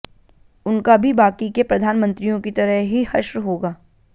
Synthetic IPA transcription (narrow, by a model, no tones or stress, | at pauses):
ʊnkabʱibaːkikepɾɐd̪ʱaːnmə̃nt̪ɾijõkit̪ɐɾəɦɦihɐʃwɦoːɡaː